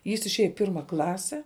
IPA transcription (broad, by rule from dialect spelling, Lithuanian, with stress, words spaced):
jɪs ɪʃʲˈeːjɛ ɪ ˈpʲɪrmɐ ˈklˠɑːsʲɛ